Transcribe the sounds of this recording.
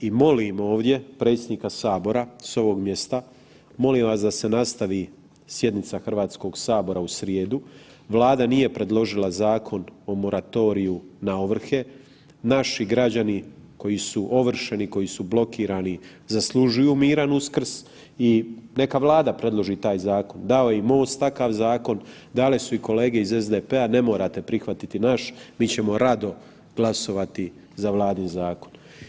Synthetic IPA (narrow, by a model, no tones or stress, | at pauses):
imo̞limo̞ːʋd̪je̞pɾe̞t̪sjed̪nikasaːbo̞ɾaso̞ʋo̞ɡmje̞st̪a | mo̞liːmʋaːs̬d̪ase̞nast̪aʋiː | sje̞d̪nit̪saxr̩ʋaːt̪sko̞ɡsaːbo̞ɾausɾjeːd̪u | ʋlaːd̪anije̞pɾe̞d̪lˠo̞ʒilazaːkʰo̞no̞mo̞ɾat̪o̞ɾijunaoʋr̩xe̞ | naʃiɡɾad͡ʑaniko̞jisuʔo̞ʋr̩ʃe̞niko̞jisublˠo̞kiːɾani | zaslˠuʒujuːmiːɾanuskr̩s | ine̞kaʋlˠaːd̪apɾe̞d̪lˠo̞ʒit̪aːjzaːko̞nd̪ao̞jeimo̞ːst̪t̪akaʋzaːko̞n | d̪alisuiko̞le̞ːɡe̞izezd̪epeane̞mo̞ːɾat̪e̞pɾixʋat̪it̪inaʃmiːt͡ɕe̞mo̞ɾad̪o̞ | ɡ̥lˠaso̞ʋat̪i | zaʋlˠaːd̪inzaːkon